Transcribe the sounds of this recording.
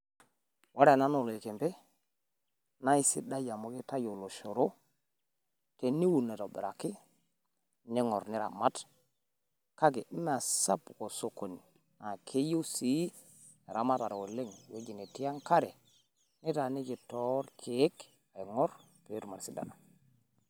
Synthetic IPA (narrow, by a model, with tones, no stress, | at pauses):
wʔa˦ɾa˨na˦no˨lo˨e˨ke˨mpe˦ | na˦i˦sḭ˦da˦ja˨mo˦ki˦ta˦jo˨lo˨ʃo˨ɾo˦ | te˨ni˦wu˨ne˨to˨bḛ˨ɾa̰˨ki˦ | ni˦ŋɔ˨ɾni˦ɾa̰˨ma˦t | ka˦ɡe˨˦m˦a˨sa̰˦pko˨so˦ko˨ni˨ | na˨kʰe˦jo˦si˦ | e˨ɾa˨ma˦ta˨ɾo˨wo˨le˦ŋwe˦d͡ʒi˨ne˨ti˦ja˦ŋka˦ɾe˨ | ni˦ta˨ni˦ki˨to˦ɾkʰe˨˦k | a˨i˨ŋo˦ɾ | pe˨˦ɾma˨ɾsi˦da̰˨na˨